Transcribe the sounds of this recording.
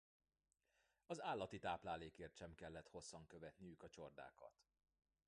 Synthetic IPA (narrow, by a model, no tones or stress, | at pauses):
ɒzaːlːɒt̪it̪aːplaːleːkeːrt̪ʃɛmkɛlːɛt̪ho̞sːɒŋkø̞vɛt̪nijykɒt͡ʃo̞rd̪a̰ːkɒ̰t̪